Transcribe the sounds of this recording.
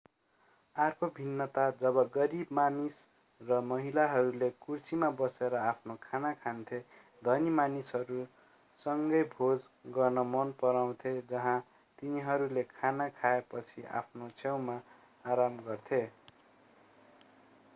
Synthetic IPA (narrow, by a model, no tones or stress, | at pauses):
arkʰobʱinːʌt̪ad͡zʌbʌɡʌɾibmanis | rʌmʌɦilaɦʌɾulekursimabʌseɾʌapʰnokʰanakʰant̪ʰe | d̪ʱʌnimanisɦʌɾu | sʌŋɡʌjbʱod͡z | ɡʌrnʌmʌnpʌɾaw̃t̪ʰed͡zʌɦã | t̪iniɦʌɾulekʰanakʰaepʌt͡sʰiʔa̰pʰnot͡sʰew̃maː | ɾamɡʌrt̪ʰe